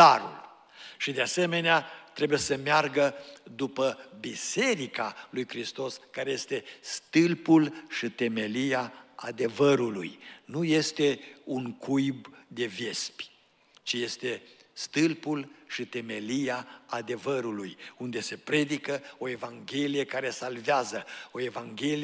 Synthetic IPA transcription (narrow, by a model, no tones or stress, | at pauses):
aɾṵl | ʃid̪ease̞me̞neat̪ɾe̞buje̞səmearɡəd̪upəbise̞ɾikalujkɾist̪o̞skaɾe̞je̞st̪e̞st̪ɨlpulʃit̪e̞me̞liaa̰d̪e̞vəɾulṵjnuje̞st̪e̞uŋkʰujbd̪e̞ve̞spʲ | t͡ʃije̞st̪e̞ | st̪ɨlpulʃit̪e̞me̞liaːd̪e̞vəɾulujund̪e̞se̞pɾe̞d̪ikəo̞e̞vaŋɡʲe̞lije̞kaɾe̞salveazəo̞e̞vaŋɡʲe̞li